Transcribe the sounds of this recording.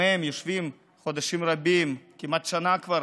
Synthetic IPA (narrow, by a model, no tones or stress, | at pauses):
emjoʃvim | χod̪aʃimɾabimkimat̪ʃanakvaɾ